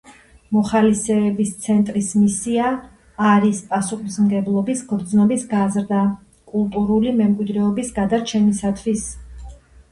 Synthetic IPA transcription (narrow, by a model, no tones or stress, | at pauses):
mɔχalisɛːbist̪sʰɛnt̪ʼɾismisiaː | ɾispʼasuχismɡɛblˠɔbisɡɾd̪znɔbisɡazɾd̪a | kʼulˠt̪ʼuɾulimɛmkʼwid̪ɾɛɔbisɡad̪aɾt͡ʃʰɛnisat̪ʰwis